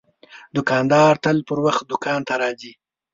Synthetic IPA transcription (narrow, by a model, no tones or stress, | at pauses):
d̪ʊkɑnd̪ɑːɾt̪əlpəɾwaxt̪̚d̪ʊkɑnt̪aɾɑzi